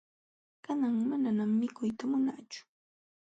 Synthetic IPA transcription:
kanaŋmananamːɪkʊjt̪amʊnat͡ʃʊ̥

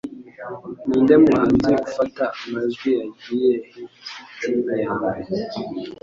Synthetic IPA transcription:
niːndemwaːnziufataamazɡwijaɟijeinajae

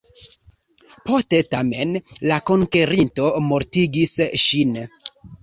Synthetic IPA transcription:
po̞ste̞tame̞nlako̞ŋke̞ɾinto̞mo̞ɾtiɡisʃin

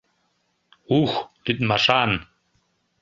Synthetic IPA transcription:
uxlyt̪̚mɑʃɑn

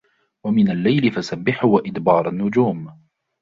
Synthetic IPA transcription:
wamɪnalːajlɪfasabːɪħʊwaʔɪd̪bɑːɾˤanːʊd͡ʒuːm

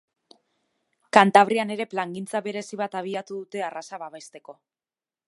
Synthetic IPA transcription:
kant̪aβ̞ɾiane̞ɾe̞plaŋɡint͡saβe̞ɾe̞siβat̪aβ̞iat̪uðut̪e̞arasaβaβe̞st̪e̞ko̞

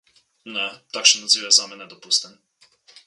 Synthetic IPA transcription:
nɛt̪akʃɛnazivɛzamɛnɛd̪opust̪ɛn

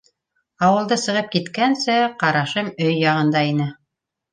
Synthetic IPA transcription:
ɑwɤ̆lˠd̪ɤsɤ̆ʁɤp̚kit̪kænsɘqɑɾɑʃɤmɵjːɑʁɤ̆nd̪ɑinɘ

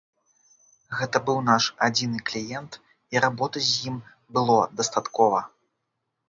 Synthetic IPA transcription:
ɣɛt̪ɐbɨwnaʂad͡zʲinɨklʲijɛnt̪ | iɾabɔt̪ɨzʲjim | bɨlˠɔd̪ɐst̪at̪kɔvɐ

